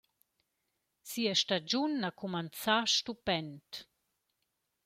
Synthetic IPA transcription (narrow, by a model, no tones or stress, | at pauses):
siəʃtad͡ʒunːakʰumant͡saʃtupɛnt